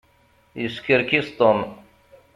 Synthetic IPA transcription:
iskʰiɾkʲist̪on

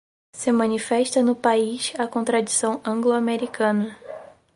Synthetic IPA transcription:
sɪmɐ̃nifɛʃt̪ɐnʊpaiʃɐkõnt̪ɾad͡ʒisɐ̃w̃ɐ̃ɡloameɾikɐ̃nɐ

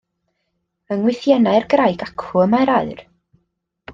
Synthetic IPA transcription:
əŋwɪθjɛnaɨrɡrajɡakʰʊəmajɾaɨr

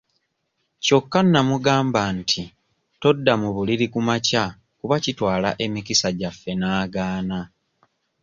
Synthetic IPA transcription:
co̞kːanːamuɡaːmbantʰi | to̞dːamuβuliɾikumaca | kuβacitwaːlaʔe̞mikisaɟafːe̞naːɡaːna

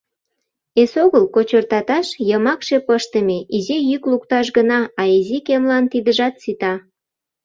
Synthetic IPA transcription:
esoɣəlkot͡ɕərt̪ɑt̪ɑʃjəmɑkʃe̽pəʃt̪əmeʔizejyklukt̪ɑʃ̬ɡənɑɑizikemlɑnt̪id̪əʒɑt̪̚sit̪ɑ

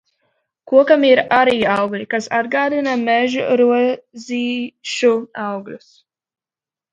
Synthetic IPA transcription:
kuɔkamiɾaɾiːawɡlʲikasa̰d̪ɡaːd̪inamɛʒṵɾuɔziːʃuawɡlʲṵs

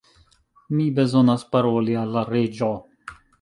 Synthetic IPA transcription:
mibezonaspaɾolialːaɾed͡ʒo

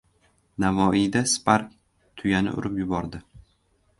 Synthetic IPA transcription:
navɒid̪aspaɾk̚ʲ | t̪ʰʊjanɪ̰ʔʊ̰ɾɪpjʊbɒɾd̪ɪ

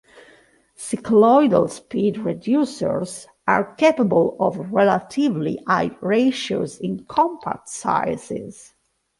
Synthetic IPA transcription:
sikʰlɔjdə̰lspidɹɛdjusə̰ɹz | a̰ɹkepabəlɔvɹɛlat̪ʰivlḭʔajɹeʃo̰zĩnkʰɔ̃mpʰa̰tsa̰jsɪ̰z

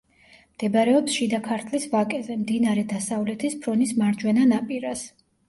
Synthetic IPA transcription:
md̪̥ɛbaɾɛɔpsʃid̪akʰaɾt̪ʰlisvakʼɛzʼɛmd̪inaɾɛd̪asavlɛt̪ʰispʰɾɔnismaɾd͡ʒwɛnanapʼiɾas

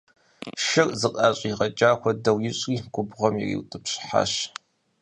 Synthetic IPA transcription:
ʃɨrzɨqʼɑːɕʼiːʁɐt͡ʃʼaːxʷɔdɐwjɪɕʼriːɡʷʊbʁɐmjɛ̰rḭːwtʼɨpɕħa̰ːɕ

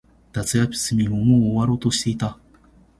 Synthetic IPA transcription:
d̪̥at͡sɨjapʲi̥sɨmʲiomooβaɾoːt̪oɕi̥t̪e̞it̪a

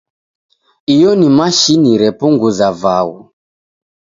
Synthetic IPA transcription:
ijɔnimaʃiniɾɛpuŋɡuzavawu

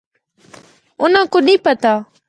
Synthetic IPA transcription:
ʊnãːkʊɗĩːpət̪aː

